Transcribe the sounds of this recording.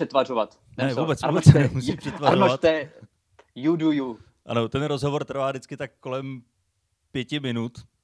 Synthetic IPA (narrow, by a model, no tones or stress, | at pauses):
ɛt̪varovat̪ | nɛvuːbɛt͡svubɛt͡sɛnɛmusipr̥ɛt̪vaaoavat̪t̪ɛ | juduju | ʔa̰not̪ɛnɾozɦo̞vo̞rt̪r̩vaːdɪt͡skɪt̪ak̚ːo̞lɛm | pjɛcɪmɪnut̪